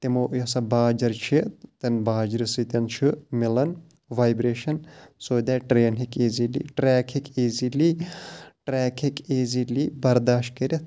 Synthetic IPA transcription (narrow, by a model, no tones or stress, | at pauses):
t̪imoːjɐsɐbaːd͡ʒɐɾt͡ʃʰit̪ɐnbaːd͡ʒɾisɨt̪ɐnt͡ʃʰɨmilɐn | ʋaːjbɾeːʃɐnsoːd̪aːʈɾeːnɦikeːzilḭʈɾɛːkʰikeːzili | ʈɾɛːkʰikeːziliːbɐɾd̪aːʃt̪̚kɐɾʲi